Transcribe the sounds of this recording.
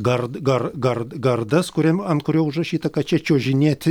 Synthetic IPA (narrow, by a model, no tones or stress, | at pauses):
ɡɐrɡɐɾɡɐɾɡɐrd̪ɐskʊɾʲɛmɐnt̪kʊɾʲɛʊʊʒrɐʃʲiːt̪ɐkɐt̪̚t͡ʃʲɛt͡ʃʲoːʒʲɪnʲeːt̪ʲɪ